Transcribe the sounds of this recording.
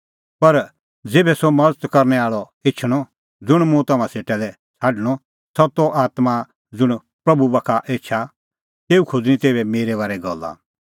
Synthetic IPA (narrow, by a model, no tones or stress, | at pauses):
pɐɾ | d͡zeːbɛsɔmɐdət̪kɐɾnɛaːɭɔ | et͡ʃʰɽ̃ɔ | d͡zʊɽ̃mũt̪ɐmãseːʈɛlɛ | t͡sʰaːɖəɽ̃ɔ | sɐt̪ɔʔaːt̪ma | d͡zʊɽ̃ | pɾɐbubɐkʰaʔeːt͡ʃʰa | t̪eːukʰod͡zñĩt̪eːbɛmeːɾɛβaːɾɛɡɔ̰lːa̰